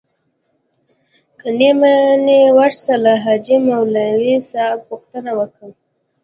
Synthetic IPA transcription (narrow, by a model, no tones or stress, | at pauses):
kənemanewaʂsalaɦad͡ʒimawlawisɑpuxt̪ənawəkəm